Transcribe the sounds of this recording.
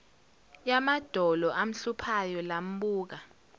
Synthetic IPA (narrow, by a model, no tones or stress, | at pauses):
jamad̥ʱɔlɔʔam̩ɬupʰajɔlam̩ɓuːk̬a